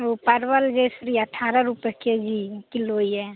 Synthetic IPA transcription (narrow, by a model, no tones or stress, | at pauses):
opəɾʋəld͡ʒesɾiəʈʰːaːɾaɾupked͡ʒikiloiɛ